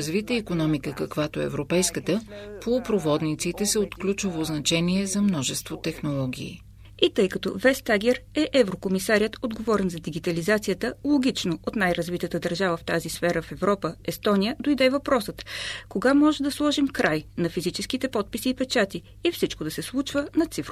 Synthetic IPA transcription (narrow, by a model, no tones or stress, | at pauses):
zvit̪əikonɔmikəkɐkvat̪oɛ̰ɛ̰vɾopɛjskət̪əpopɾovɔd̪nit̪sit̪ɛsɛot̪klʲut͡ʃovoznɐt͡ʃɛniɛzɐmnɔʒɛst̪vot̪ɛxnolˠɔɡʲḭː | it̪ɤjkɐt̪ovɛst̪aɡʲɛɾɛʔɛvɾokomisaɾʲət̪od̪ɡovɔɾɛnzɐd̪iɡit̪ɐlizat̪sijət̪əlˠoɡ̟ʲit͡ʃnoot̪najɾɐzvit̪ət̪əd̪ɐɾʒavəft̪azisfɛɾəfɛvɾɔpəɛst̪ɔnʲijəd̪ojd̪ɛvɐpɾɔsət̪koɡamɔʒɛd̪ɐslˠɔʒimkɾʔajnɐfizit͡ʃɛskit̪ɛpɔt̪̚pisiːpɛt͡ʃat̪i | ifsit͡ʃkod̪ɐsɛslˠut͡ʃvənɐt̪sifɾ